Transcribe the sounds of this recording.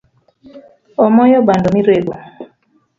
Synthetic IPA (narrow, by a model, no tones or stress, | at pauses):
ɔmɔjɔbandɔmiɾebo